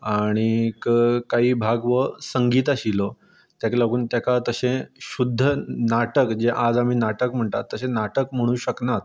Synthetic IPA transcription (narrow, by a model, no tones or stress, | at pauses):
aɽ̃ikəkaɦiːbʱaɡʋəsəŋɡiːt̪̬aɕilɔ | t̪jakləɡʱuːnt̪jakat̪əɕẽɕud̪ʱːənaʈəkd͡ʑeʔad͡zam̤iːnaʈəkm̤əɳʈ̪a̰t̪ːəsẽnaʈəkm̤əɽ̃uːɕəknat̪̚